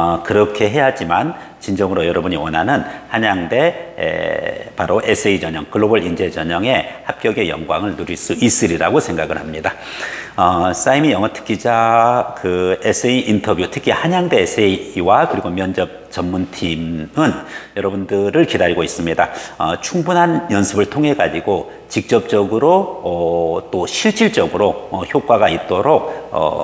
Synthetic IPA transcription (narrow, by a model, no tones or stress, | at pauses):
kɯɾʌkʰe̞ɦe̞ɦad͡ʑiman | t͡ɕind͡ʑʌŋɯɾojʌɾʌbuɲiwʌnɦanɯnhaɲaŋde̞̰ | paɾoʔesʰeid͡ʑʌɲʌŋkɯɭːobʌɭind͡ʑe̞d͡ʑʌɲʌŋe̞hap̚k͈jʌɡe̞jʌ̰ŋɡwaŋɯɭnuɾiɭs͈uis͈ɯɾiɾaɡosʰe̞ŋɡaɡɯɭhamɲida | ʌs͈aimijʌŋʌtʰɯ̥k͈id͡ʑakɯes͈ʰeiʔintʰʌbjutʰɯ̥kʰihaɲaŋdesʰeiwakɯɾiɡomjʌnd͡ʑʌp̚t͡ɕʌmmuntʰimɯnjʌɾʌbundɯɾɯɭkidaɾiɡois͈ɯmɲidaʌ̰t͡ɕʰuŋbunɦanjʌnsʰɯbɯɭtʰoŋɦe̞ɡad͡ʑiɡo | t͡ɕik̚t͡ɕ͈ʌp̚t͡ɕ͈ʌɡɯɾoʌt͈oɕʰiɭt͡ɕ͈iɭt͡ɕ͈ʌɡɯɾoʌçjok͈waɡait̚t͈oɾok̚ʌ̰